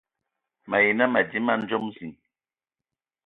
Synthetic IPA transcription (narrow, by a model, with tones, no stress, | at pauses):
ma˨ji˨na˦ma˨di˦ma˦n̩˦d͡ʒo˦m˦si˨ŋ